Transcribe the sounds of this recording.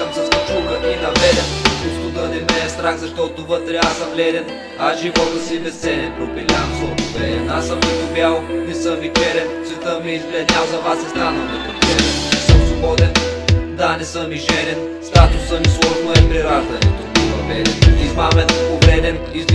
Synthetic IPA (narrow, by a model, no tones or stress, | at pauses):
əmsɐst̪ɐt͡ʃulˠkəʔinɐvlɛd̪ɛnɡust̪od̪ənɛmɛɛst̪ɾaɣzɐʃt̪ɔt̪ovət̪ɾɛasəmlɛd̪ɛn | asʒivɔt̪əsibɛst̪sɛnʲɛnpɾopiliansoɛd̪ɛnasəmniɡ̪ʊbjalˠnɛsəmvit̪ɛɾɛnsvɛt̪əmiɛizblɛd̪nʲalˠzɐvasɛst̪anɐ | ɛɛnɛsəmsobɔd̪ɛnd̪anɛsəmiʒɛɾɛn | st̪at̪ʊsəmislˠɔʒnoɛpɾiɾazd̪ɛnɛt̪oinɐvɛd̪ɛnizmamɛnoɡɾɛd̪ɛniz